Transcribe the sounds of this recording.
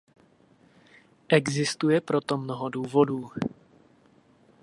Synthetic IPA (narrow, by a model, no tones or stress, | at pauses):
ʔɛɡzɪst̪ujɛpɾo̞t̪o̞mnoɦoduːvo̞duː